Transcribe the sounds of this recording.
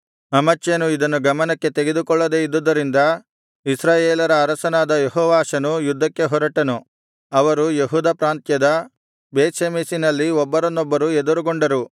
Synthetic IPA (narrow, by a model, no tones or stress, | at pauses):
ɐmɐt͡ʃːjɐnuid̪ɐnːuɡɐmɐnɐkːe̞t̪eɡe̞d̪ukɔɭːɐd̪eːid̪ːud̪ːɐɾind̪ɐ | isɾaːjeːlɐɾɐːɾɐsɐnaːd̪ɐjeɦɔːʋaːʃɐnujud̪ːɐkːe̞ɦɔɾɐʈːɐnu | ɐʋɐɾujeɦuːd̪ɐːpɾaːnt̪jɐd̪ɐ | beːt̪ʃemiːsinɐlːiɔbːɐɾɐnːɔbːɐɾued̪uɾuɡoɳɖɐɾu